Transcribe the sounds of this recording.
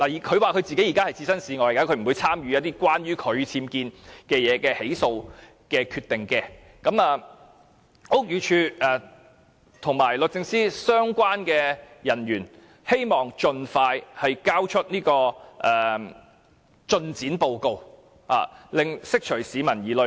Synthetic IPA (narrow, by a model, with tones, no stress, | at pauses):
la˨˩jkʰɵ˨˧ɥwaː˨˩kʰɵ˨˧ɥt͡si˨ke˨˥jiː˨˩kaː˥hɐ˨jt͡siː˧sɐ˥nsiː˨˧ŋɔː˨˧jkaː˥kʰɵ˧m̩˨˩wu˨˧jt͡sʰaː˥mjyː˨˧jɐ˥t̪iː˥kwaː˥nɥyː˥kʰɵ˨˧ɥt͡sʰiː˧mkiː˧nkɛː˧jɛː˨˧kɛː˧he˨˥jso˧w | kɛː˧kʰyː˧t̪ːɪ˨ŋkɛː˧ | kɐ˨˥maː˨ | ʊ˥k̚jyː˨˧t͡ʃʰyː˧ɛː˨˩ | t̪ʰʊ˨˩ŋmaː˨˩jlɵ˨t̚t͡sɪ˧ŋsiː˥sœː˥ŋkʷaː˥nkɛː˧jɐ˨˩njyː˨˩n | he˥jmɔː˨ŋt͡ʃɵ˧nfaː˧jhɐ˨jkaː˥wt͡ʃʰɵ˥t̚niː˥kɔː˧ʔɛː˨˩ | t͡ʃɵ˧nt͡siː˨˥npo˧wko˨˧w | ha̰ː˨lɪ˨ŋsɪ˥k̚t͡ʃʰɵ˨˩ɥsiː˨˧mɐ˨˩njiː˨lɵ˨˧˥